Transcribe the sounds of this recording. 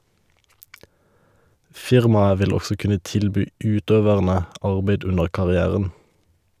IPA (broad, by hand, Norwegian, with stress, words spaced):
ˈfɪʁmɑə ˈʋɪl ˈɔsɔ ˈkʉnə ˈtɪlˌbyː ˈʉːˌtøːʋəʁnə ˈɑʁbeɪd ˈʉnəʁ kɑʁɪˈæːʁən